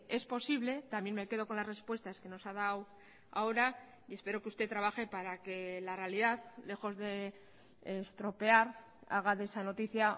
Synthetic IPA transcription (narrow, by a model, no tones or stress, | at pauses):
e̞spo̞siβle̞t̪amje̞nmeke̞ð̞o̞ko̞nlaszre̞spwe̞st̪aske̞no̞sað̞aw | a̰o̞ɾa | ie̞spe̞ɾo̞keust̪e̞t̪ɾaβaxe̞paɾake̞larealiðaðle̞xo̞zðe̞ | est̪ɾo̞pe̞aɾ | a̰ɣ̞aðesano̞t̪iθja